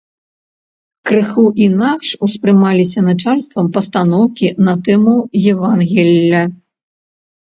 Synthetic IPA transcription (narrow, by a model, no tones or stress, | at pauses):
kɾɨxuʔinakʂuspɾɨmalʲisʲɐnat͡ʂalʲst̪vɐmpɐst̪anɔwkʲinɐt̪ɛmujɛvanɣʲɛlʲːɐ